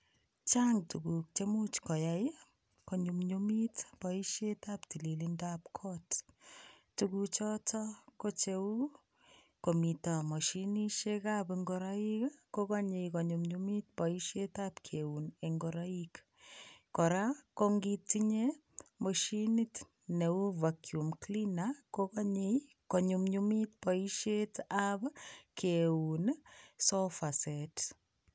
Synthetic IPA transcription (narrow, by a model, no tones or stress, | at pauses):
t͡ʃaŋtukuk̚t͡ʃemut͡ʃkɔjaj | koɲumɲumitpɔiʃjetaptililindap̚kʰɔt | tukut͡ʃɔtʰɔkot͡ʃewu | komitɔmoʃiniʃekapiŋɡoɾɔikakokaɲejkoɲumɲumit̚pɔiʃetapkʰeuneŋɡɔɾaik | kɔɾakoŋɡitiɲe | moʃinit | neuvakʰjumklinakokaɲej | koɲumɲumit̚pɔiʃetapkʰeunsofaset